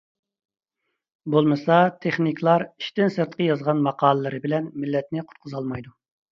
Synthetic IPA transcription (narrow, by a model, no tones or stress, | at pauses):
bolˠmɨsɑt̪ʰeχnikʰʲlˠɑɾi̥ʃt̪ɪnsɨɾt̪̚qəjɑzʁɑnmɑqʰɑːlˠəlːˠɨɾɨbɪlɛnmɪlːɛt̪nɪqʰʊ̥t̪̚qʰʊzɑlˠmɑjd̪u